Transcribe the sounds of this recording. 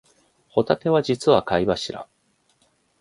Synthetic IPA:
ho̞t̪at̪e̞βad͡ʑit͡sɨβakaiβaɕiɾa̰

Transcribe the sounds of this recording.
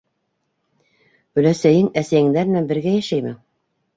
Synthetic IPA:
ɵ̆læsæjɘŋæsæjɘ̆ŋd̪ænɘnænbɘ̆ɾɡæjæʃæjmɘ

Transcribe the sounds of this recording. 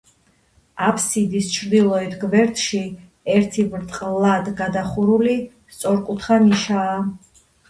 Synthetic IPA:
apʰsid̪ist͡ʃʰɾd̪ilˠɔɛt̪ʰɡvɛɾt̪ʰʼʃi | ɛɾt̪ʰivɾt̪ʼqʼlad̪ɡad̪aχuɾuli | st̪sʼɔɾkʼut̪ʰχaniʃaː

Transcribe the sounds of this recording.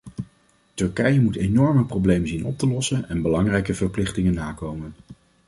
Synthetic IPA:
tɵɹkɛjəmutenɔɹməprowblejmənzinɔ̰p̚təlɔsənɛnbəlɑŋrɛjkəvəɹplɪχtɪŋənːaːkowmən

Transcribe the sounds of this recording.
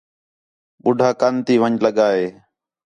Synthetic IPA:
ɓʊɖʱaːkant̪iːʋəɲləɠaːɦeː

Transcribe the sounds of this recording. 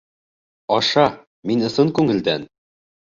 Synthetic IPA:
ɒʃɑ | minɤ̆sɤŋkʉŋɘ̆ld̪æn

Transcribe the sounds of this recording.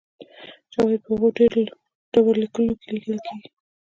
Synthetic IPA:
d͡ʒɑwad̪̚pəhaɣoɖeɾ | ɖ̥awəɾlikəlokeliɡəlkʰeɡi

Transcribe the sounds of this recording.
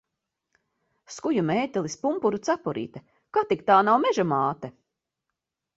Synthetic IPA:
skujumɛːt̪ʲɛlˠispumpuɾut̪sapɔɾḭːt̪ɛ | kat̪ik̚t̪aːnawmɛʒamaːt̪ɛ

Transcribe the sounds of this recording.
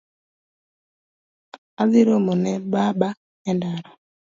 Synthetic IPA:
aðiɾomonɛbaba | ɛndaɾɔ

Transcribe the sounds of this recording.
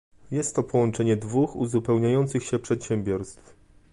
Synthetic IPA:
jɛst̪ːɔpɔwɔnt͡ʂɛɲɛd̪vuxuzupɛwɲajɔnt̪sɘxɕɛpʂɛt̪ɕɛmbʲjɔɾst̪f

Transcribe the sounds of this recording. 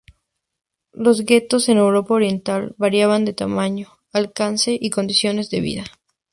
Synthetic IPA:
lo̞zɣe̞t̪o̞se̞ne̞wɾo̞paoɾje̞nt̪alβaɾjaβand̪e̞t̪amaɲo̞ | alkanse̞ʔiko̞nd̪isjo̞ne̞zðe̞βḭða

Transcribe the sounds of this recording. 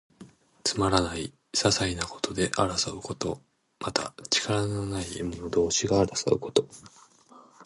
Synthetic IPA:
t͡sɨmaɾanai | sasainako̞̥t̪ʰo̞d̪e̞ʔaɾasaɯ̟ko̞t̪o̞̰ | mat̪ʰa̰t͡ɕi̥kaɾanonaiemɯnod̪o̞ːɕiɡaːɾasa̰ɯ̟ko̞̥t̪o̞

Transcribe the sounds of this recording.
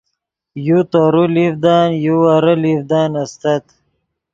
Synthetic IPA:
jut̪aːɾulivd̪aːnjuaɾɐlivd̪aːnɐst̪ɐt̪

